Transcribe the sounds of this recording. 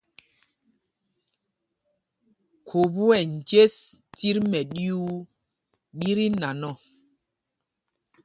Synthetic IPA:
kʰo˨bu˦ɛ˨n˨d͡ʒe˦s | ti˦ɾmɛ˨ɗi˦u˦ | ɗi˦ɾi˦na˨nɔ˦˨

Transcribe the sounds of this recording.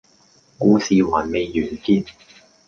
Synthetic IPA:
kuː˧siː˨waː˨˩nme˨˧jːyː˨˩nkiː˧n

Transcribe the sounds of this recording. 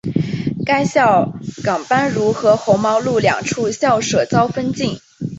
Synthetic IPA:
ka˥ɪɕjɑ˥˩ʊkɑ˨˩ŋpa˥nɻu˧˥xɤ˧˥xo˧˥ʊmɑ˧˥ʊlu˥˩ljɑ̰˨˩ŋʈ͡ʂʰu˥˩ɕjɑ˥˩ʊʂɤ˨˩t͡sɑ˥ʊfə˥nt͡ɕi˥˩n

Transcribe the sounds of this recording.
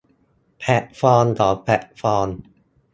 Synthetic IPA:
pʰɛ˨˩t̚fɔː˧nt̪ʰɔː˨˩˦pʰɛ˨˩t̚fɔː˧n

